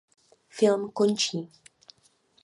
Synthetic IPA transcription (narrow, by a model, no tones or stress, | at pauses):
fɪlmkont͡ʃiː